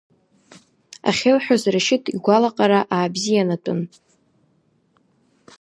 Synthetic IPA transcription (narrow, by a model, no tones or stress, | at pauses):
a̰χʲelħʷᶣazraʃɪtʰiɡʷalaqʼaɾaʔaːbzijanatʼʊ̰n